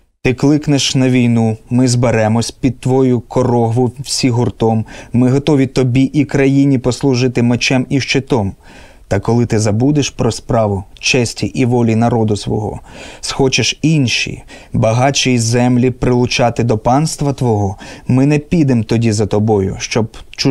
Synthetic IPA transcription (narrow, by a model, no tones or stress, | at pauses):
t̪ɪklˠɪkneʃnɐʋʲijnumɪzbeɾɛmɔsʲpʲid̪̚t̪ʋɔjʊkɔɾɔɦʋʊwsʲiɦʊrt̪ɔmːɪɦɔt̪ɔʋʲit̪ɔbʲiʔikɾɐjinʲipɔslˠʊʒɪt̪ɪmet͡ʃɛmiʃt͡ʃet̪ɔm | t̪ɐkɔlˠɪt̪ɪzɐbud̪ɪʃpɾɔspɾɑʋʊt͡ʃɛsʲtʲiʔiʋɔlʲinɐɾɔd̪ʊsʋɔ̰ɦɔ̰sxɔt͡ʃeʃinʃḭbɐɦɑt͡ʃizɛmlʲipɾɪlˠʊt͡ʃɑt̪ɪd̪ɔpɑnst̪ʋɐt̪ʋɔɦɔmɪnɛpʲid̪emt̪ɔdʲizɐt̪ɔbɔjʊ̰ʃt͡ʃɔbt͡ʃ